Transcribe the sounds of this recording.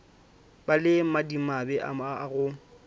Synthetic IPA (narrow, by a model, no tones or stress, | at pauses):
balɪmadimabɛʔa̰aɣʊ